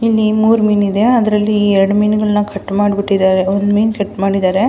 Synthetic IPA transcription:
ilːimuːɾmiːnid̪e̞ɐd̪ɐɾɐlːiɛɾɐɽumijnɡɐɭnɐkʰɐʈːmaːɽbiʈːid̪aːɾeond̪miːnkɐʈːmaːɽid̪aːɾe

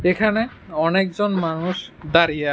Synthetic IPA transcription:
ekʰanɛ | ɔnek̚zɔnmanusd̪aɾija

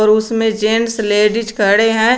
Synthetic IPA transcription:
ɾʊsmẽd͡ʒeːnsleːɖid͡ʒkəɽeɦɛ̃ː

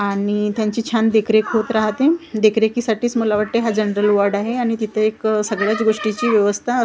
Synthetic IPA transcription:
aɽ̃it̪jaɲt͡ɕiːt͡ɕʰand̪ekʰɾekɦot̪ɾaɦat̪ed̪ekɾekisaʈiːt͡sməlaʋaʈ̚t̪eɦad͡ʑənɾəlʋəɾɖaɦeaɽ̃it̪it̪ʰəeksəɡɭjat͡sɡoʂʈit͡ɕiːʋjəʋəst̪ʰaə

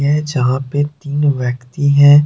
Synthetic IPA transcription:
ɦɛd͡ʒɐɦãpet̪iːnʋjəkt̪iɦɛ̃ː

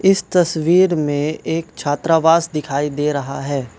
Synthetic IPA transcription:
ɪst̪ɐsʋiːɾmẽeːkt͡ʃʰaːt̪ɾaːʋaːsd̪ɪkʰaːid̪eːɾɐɦa̰ɦɛː

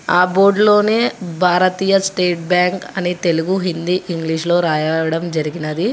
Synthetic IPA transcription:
aːboːɾɖlo̞ːne̞ːbʱaːɾɐt̪iːjɐsʈeːʈ̚bjaːŋkɐnit̪e̞luɡuɦind̪iʔiŋɡliʂlo̞ːɾaːjɐʋɐɽɐmd͡ʒɐɾiɡinɐd̪i

